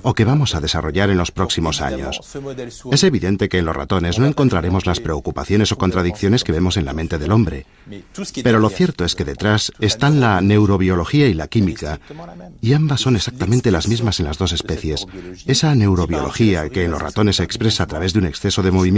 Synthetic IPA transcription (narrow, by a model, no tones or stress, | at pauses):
o̞ke̞β̞amo̞saðe̞sa̰ro̞ʝaɾe̞nlo̞spɾo̞ksimo̞sa̰ɲo̞s | e̞se̞βiðe̞nt̪e̞ke̞ːnlo̞zra̰t̪o̞ne̞zno̞e̞ŋko̞nt̪ɾaɾe̞mo̞zlaspɾe̞o̞kupaθjo̞ne̞so̞kont̪ɾaðikθjone̞ske̞βe̞mo̞se̞nla̰ment̪e̞ðe̞lo̞mbɾe̞ | pe̞ɾo̞lo̞θje̞ɾt̪o̞e̞ske̞ðe̞t̪ɾase̞st̪anlane̞wɾo̞βjo̞lo̞xiailakimikaiambasːo̞nesak̚t̪amẽnt̪e̞lazmizmase̞nlazðo̞se̞spe̞θje̞se̞sane̞wɾo̞βjo̞̰lo̞̰xiake̞ːnlo̞rat̪o̞ne̞seːkspɾe̞saːt̪ɾaβe̞zðune̞ksθe̞so̞ðe̞mo̞βim